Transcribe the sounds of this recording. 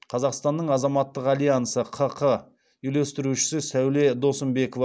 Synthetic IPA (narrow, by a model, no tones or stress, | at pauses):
qʰɑzɑqst̪ɑnːəɴɑzɑmɑt̪ːəqɑlʲˠijansəqʰəqʰə | ile̞st̪ɪɾuʃɪ̥sɪsæwle̞d̪o̞səmbe̞kovɑ